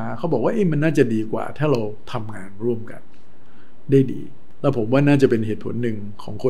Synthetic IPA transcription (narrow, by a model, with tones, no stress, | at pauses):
a˧kʰa˦˥bɔː˨˩k̚wa˥ʔe˦˥˩ma˧nːaː˥˩t͡ɕa˨˩diː˧kwa̰ː˨˩t̪ʰaː˥˩ɾa˧wt̪ʰa˧mŋaː˧nɾu˥˩əmka̰˧n | daː˥˩jdḭː˧ | lɛː˦˥˩pʰo˩˦mwaː˥˩naː˥˩t͡ɕa˨˩pe˧nheː˨˩t̪̚pʰo̰˩˦nːɯ˨˧ŋ | kʰɔː˩˦ŋkʰo˧